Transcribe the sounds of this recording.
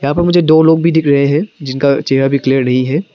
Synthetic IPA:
jɐɦãːpɐɾmʊd͡ʒʱed̪oːloːɡ̚bʱiɖɪkʰɾɐɦẽɦɛ̃d͡ʒɪnkat͡ʃeːɾabʱikliəɾnɐɦĩɦɛː

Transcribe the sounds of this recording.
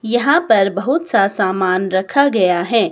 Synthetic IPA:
jɐɦãpɐɾbɐɦʊt̪sasaːmaːnɾɐkʰaɡɐjaɦɛː

